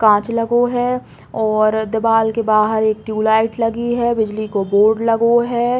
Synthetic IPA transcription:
kãːt͡ʃlɐɡoɦɛ | ɔːɾd̪ɪbaːlkebaːɦəɾeːk̚ʈjuːlaːɪʈlɐɡiɦɛbɪd͡ʒlikoboːɾɖlɐɡoɦɛː

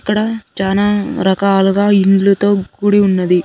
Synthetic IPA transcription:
ikːɐɽɐt͡ʃaːnaːɾɐkaːluɡaːiɳɖlut̪o̞ːɡuːɽiunːɐd̪i

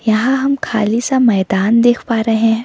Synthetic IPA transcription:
jɐɦãɦɐmkʰaːlisamɛːd̪aːnd̪eːkʰpaːɾeɦẽ

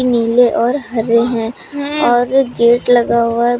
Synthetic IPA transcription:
iniːleʔɔːɾɦɐɾeɦɛ̃ː | ɔːɾɡeːʈlɐɡaa

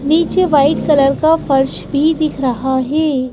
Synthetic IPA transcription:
niːt͡ʃeʋaːɪʈkɐləɾkafɐɾʃbʱid̪ɪkʰɾɐɦaɦɛː

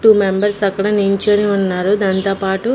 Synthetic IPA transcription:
ʈuːmembɐɾsɐkɐɽɐniɲt͡ʃoːniunːaːɾud̪aːnt̪oːpaːʈu

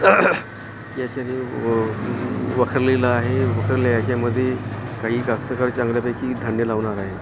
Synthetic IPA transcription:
jat͡ɕani | ʋəkʰəɾlelaaɦeʋəkʰəɾljajat͡ɕaməd̪ʱːjekaɦiːkast̪əkəɾt͡ɕãŋɡljapakiːɖʱaɳjəlaʋɳaɾaɦe

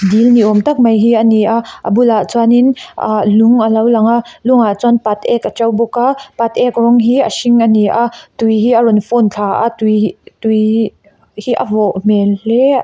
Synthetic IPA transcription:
dilniʔɔmt̪ɐk̚mɐjɦiːʔəniʔaʔʔə̰bulat͡saninalʊŋʔəlɐwlɐŋaʔlʊŋat͡sɔnpat̪̚ɛkʔət͡ʃɐwbɔkapat̪̚ʔɛkrɔŋɦiːʔəsiŋʔəniʔaʔt̪ujɦiːʔərɔnfɔnt͡ɬʰaʔa̰t̪ut̪uj | hiʔəvɔʔmɛlɛ

